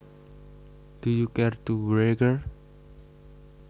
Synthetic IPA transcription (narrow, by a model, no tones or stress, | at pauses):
d̪̥ujukɛrt̪ubɹeɡəɹ